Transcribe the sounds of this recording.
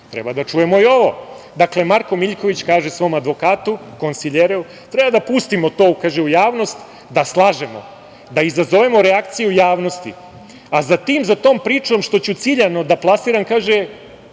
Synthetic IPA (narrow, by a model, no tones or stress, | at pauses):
t̪ɾḛbad̪at͡ʃuje̞mo̞io̞ʋo̞̰ | d̪akle̞maɾko̞miʎkoʋit͡ɕkaːʒe̞sʋo̞ːmad̪ʋo̞kaːt̪ukonsiʎeɾeu | t̪ɾe̞bad̪apust̪imo̞t̪o̞ːkaːʒeujaːʋno̞st̪ | d̪aslˠaːʒemo̞̰ | d̪aizazo̞ʋemo̞ɾeakt̪sijujaːʋno̞st̪ḭ | azat̪iːmzat̪o̞ːmpɾiːt͡ʃo̞mʃt̪o̞t͡ɕut̪siʎano̞d̪aplˠasiɾankaːʒe